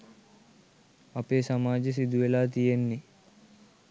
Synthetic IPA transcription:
ɐpeːsɐmaːd͡ʒes̬id̪uʋelaːt̪̬ijenːi

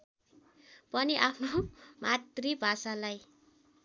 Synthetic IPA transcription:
pʌniʔapʰnomat̪ribʱasalaj

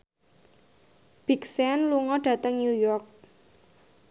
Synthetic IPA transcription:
b̥iksɛnluŋɔɖ̥ä̤t̪əŋnjujɔrk̚

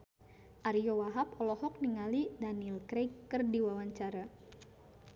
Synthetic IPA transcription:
ʔaɾiɔwaɦapɔlɔɦɔk̚niŋalidanilkɾejkːərdiwawaɲt͡ʃaɾa

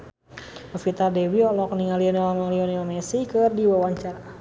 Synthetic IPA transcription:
əfit̪ardɛwiɔlɔkniŋaliɔnilamaŋliɔniamɛsikɨrdiwawaɲt͡ʃaɾa

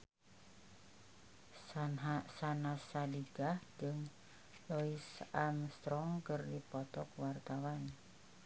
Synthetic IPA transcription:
sanɦasanasadiɡahd͡ʒəŋ | loisamst̪ɾɔŋkərdipɔt̪ɔk̚wart̪awan

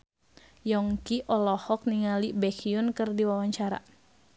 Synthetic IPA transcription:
jɔŋkiʔɔlɔhɔk̚niŋalibɛkiunkɨrdiwawaɲt͡ʃaɾa̰

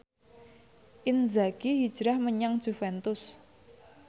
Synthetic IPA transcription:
ʔɪnzaɡiɦid̥ʒ̥ɾahməɲaŋd̥ʒ̥ṳfɛnt̪ʊs

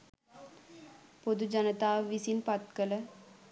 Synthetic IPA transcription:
pod̪ud͡ʒɐnət̪aːʋisinpɐt̪kələ

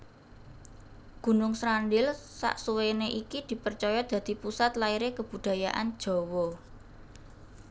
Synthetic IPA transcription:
ɡ̥ṳnʊŋsɾanɖɪlsa̰ʔsuweneʔikid̪̥i̤pərt͡ʃɔjɔd̪̥ä̤d̪̥i̤pusat̪laiɾekəb̥ṳd̪̥a̤jaʔan̥ʒ̥ɔ̤wɔ

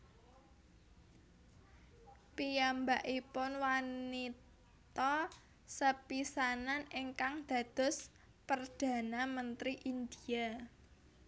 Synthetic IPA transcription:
pijambaʔipʊnwanit̪ | ɔ | səpisananeŋkaŋd̪̥a̤d̪̥ʊ̤s | pərd̪̥a̤namənt̪ɾiʔind̪ia

